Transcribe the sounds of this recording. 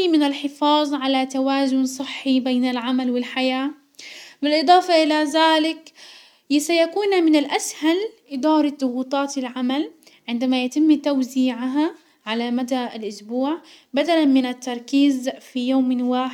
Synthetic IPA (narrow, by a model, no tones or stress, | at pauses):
mɪnalħɪfɑːðˤʕalat̪awaːzʊnsˤɨħːibeːnalʕamalwɪlħajaː | bɪlʔɨd̪ˤɑːfɑʔɪlaðaːlɪk | sajakuːnmɪnɪlʔashalʔɪd̪ɑːɾˤɑðˤʊɣuːt̪ˤɑːt̪ɪlʕamal | ʕɪnd̪amajat̪ɪmːt̪awziːʕaɦa | ʕalamad̪aɪlʔʊsbuːʕ | bad̪alanmɪnat̪ːɑɾˤkiːzfijoːmɪwaːħ